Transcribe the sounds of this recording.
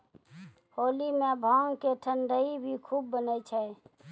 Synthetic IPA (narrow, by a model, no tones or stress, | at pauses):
hoːlimẽbʱɔŋkeʈʰəɳɖəibʱikʰubːənəjt͡ʃʰə